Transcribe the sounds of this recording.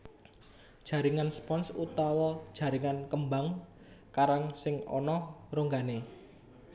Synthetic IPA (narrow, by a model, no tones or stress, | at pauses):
d̥ʒ̥ä̤ɾiŋanspɔnsut̪awɔd̥ʒ̥ä̤ɾiŋankəmbaŋ | kaɾaŋsɪŋɔ̰nɔroŋɡane